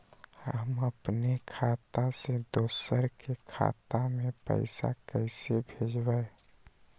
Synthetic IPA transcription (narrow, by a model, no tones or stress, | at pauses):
həməpnekʰaːt̪ased̪oːsəɾkekʰa̰t̪amẽpə̰ɪsa̰kəɪsebʱeːd͡ʒbae